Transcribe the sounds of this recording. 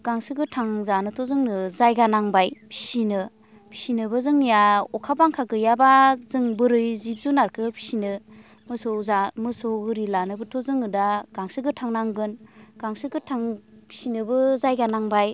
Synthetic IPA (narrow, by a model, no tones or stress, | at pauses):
ɡ̥aŋsɯɡɯtʰaŋzanɯtʰozɯŋnɯzajɡanaŋbajpʰi̥sinɯ | pʰi̥sinɯbɯzɯŋnijaɔkʰabaŋkʰaɡɯjabazɯŋbɯɾɯjzip̚zunaɾkʰɯpʰi̥sinɯ | mɯsozamɯsowɡɯɾilanɯbɯtʰozɯŋɯdaɡaŋsɯɡɯtʰaŋnaŋɡɯnɡ̥aŋsɯɡɯtʰaŋpʰi̥sinɯbɯzajɡanaŋbaj